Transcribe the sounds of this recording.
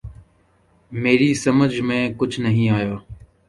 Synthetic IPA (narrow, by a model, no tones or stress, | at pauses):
meːɾiːsəməd͡ʒʱmẽːkʊd͡ʒʱnəɦĩːaːjaː